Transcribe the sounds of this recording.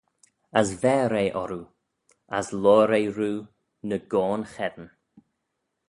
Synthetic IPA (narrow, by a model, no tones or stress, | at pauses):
əsvɛːɾeːʔɔɾu | aslɔːɾejɾuː | nəɡɔːnxɛdən